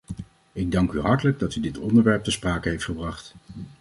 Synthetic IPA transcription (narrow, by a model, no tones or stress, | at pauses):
ɪɡ̚dɑŋkyɦɑɹtələɡ̚dɑtydɪtɔ̰ndəɹʋɛɹp̚təspraːkənɦejftχəbrɑχt